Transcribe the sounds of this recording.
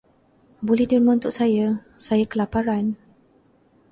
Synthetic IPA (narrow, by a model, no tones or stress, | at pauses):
bolɛhdərməunt̪ʊʔ̚saja | sajakəlapaɾan